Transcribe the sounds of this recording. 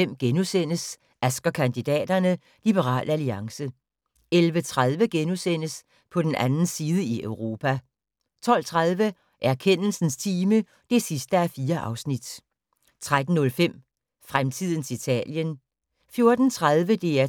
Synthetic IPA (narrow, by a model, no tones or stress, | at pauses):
em̰ɡ̥enusen̰əs | æsɡ̥ɐkʰænd̥id̥ɛ̰ːd̥ɐnə | lib̥əʁɑ̰̈ːl̰ʔæliɑ̈ŋsə | elʋət͡sʰʁað̞ˠʋəɡ̥enusen̰əs | pʰɒ̽d̥enʔænn̩siːð̞ˠəiʔøʊʁo̝ːpʰæ | t͡sʰɒ̽l̰t͡sʰʁaðˠʋə | ʔæɐkʰen̰l̩sn̩st͡sʰiːmə | d̥e̝sisd̥əæfiːɐʔɑ̈ʊsnid̥ | t͡sʰʁad̥n̩ːɔ̽lfem̰ | fʁamt͡sʰið̞̰ˠn̩sʰit͡sʰɛ̰ːljən | fjo̝ɐd̥n̩t͡sʰʁaðˠʋəd̥e̝æɐ